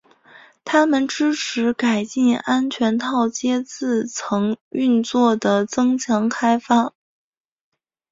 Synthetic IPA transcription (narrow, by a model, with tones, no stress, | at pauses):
t̪ʰa˥mə˨nʈ͡ʂɻ̩˥ʈ͡ʂʰɻ̩˧˥ka˨˩ɪt͡ɕi˥˩na˥nt͡ɕʰɥɛ˧˥nt̪ʰɑ˥˩ʊt͡ɕjɛ˥t͡sɹ̩˥˩t͡sʰɤ˧˥ŋy˥˧nt͡swɔ˥˩d̪ə˩t͡sɤ˥ŋt͡ɕʰjɑ˧˥ŋkʰa˥ɪfa˥˩